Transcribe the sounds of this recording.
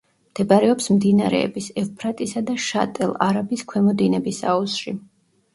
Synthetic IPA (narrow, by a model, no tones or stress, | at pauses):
md̪̥ɛbaɾɛɔpsmd̪inaɾɛ̰ɛbisɛfpʰɾat̪ʼisad̪aʃa̰t̪ʼɛlˠaɾabiskʰwɛmɔd̪inɛbisa̰usʃi